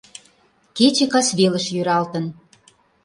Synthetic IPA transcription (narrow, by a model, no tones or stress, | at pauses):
ket͡ɕekɑsβelə̆ʃjyɾɑlt̪ə̆n